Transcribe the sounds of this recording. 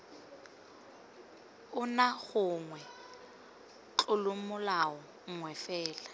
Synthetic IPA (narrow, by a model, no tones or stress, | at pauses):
ʊnaɣʊŋwɛ | t͡ɬʊlʊmʊlawɔ | ŋwɛfɛːla